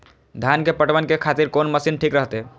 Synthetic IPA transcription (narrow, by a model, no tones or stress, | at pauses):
d̪ʱjankepəʈʋənkekʰat̪iɾkonməsinʈʰikɾəɦt̪e